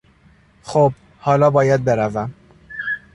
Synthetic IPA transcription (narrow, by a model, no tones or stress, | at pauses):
xoːb̚ | hɒːlɒːbɒːjæd̪̚be̞ɾævæm